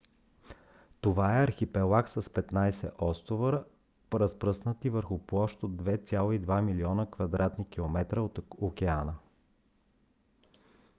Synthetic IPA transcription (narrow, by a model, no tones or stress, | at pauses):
t̪ovaɛɐɾxipɛlˠaksəspɛt̪najsɛ̰ʔɔst̪ovəɾ | pɾəspɾɤsnət̪ivəɾxʊplˠɔʃt̪od̪ːvɛt̪sʲalˠoid̪vamiliɔnəkvɐd̪ɾat̪nikilˠomɛt̪ɾəot̪okʲɛanə